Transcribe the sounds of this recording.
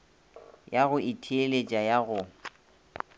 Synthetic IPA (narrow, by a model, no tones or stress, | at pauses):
jaɣʊʔɪtʰielet͡ʃʼajaɣʊ